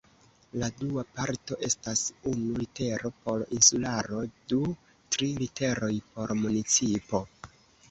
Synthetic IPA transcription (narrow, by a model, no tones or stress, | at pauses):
laduapaɾto̞ʔe̞stasunulite̞ɾo̞po̞ɾinsulaɾo̞du | tɾilite̞ɾo̞jpo̞ɾmunit͡sipo̞